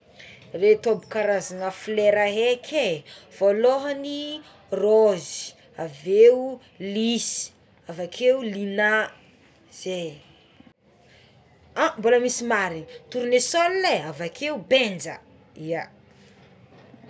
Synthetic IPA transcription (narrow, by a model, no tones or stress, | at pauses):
ret̪obukaɾazanəfileɾaɦekʰev̥oloɦəni | rozi̥ | aveu | lisi̥ | avakʰeulina | z̥e | amboləmisimaɾinit̪uɾunesolneavakʰeubend͡ʒə | ia